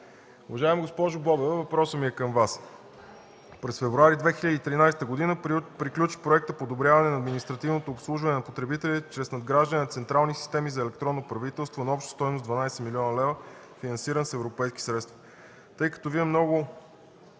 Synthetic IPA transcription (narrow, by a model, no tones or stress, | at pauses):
ʊvɐʒaɛmiɡospɔʒʊbɔbɛvəvɐpɾɔsəmiɛkəmvas | pɾɛsfɛvɾuaɾid̪vɛxilʲəd̪iːt̪ɾinajst̪əɡod̪inəpɾiklʲut͡ʃi̥pɾoɛk̚t̪əpod̪obɾʲjavɐnɛnɐːd̪minist̪ɾɐt̪ivnot̪oːpslˠuʒvɐnɛnɐpot̪ɾɛbit̪ɛlʲit͡ʃɾɛsnɐd̪ɡɾaʒd̪ənɛnɐt̪sɛnt̪ɾalˠnisi̥st̪ɛmizɐɛlɛkt̪ɾɔnːopɾɐvit̪ɛlˠst̪vonɐɔpʃt̪ə̥st̪ɔjmosd̪vɐnajsɛmilʲiɔnəlɛvə | finɐnsiɾənsɛvɾopɛjsk̟i̥sɾɛt̪st̪vɐ | t̪ɤjkə̥t̪ɔviɛmnɔɡʊ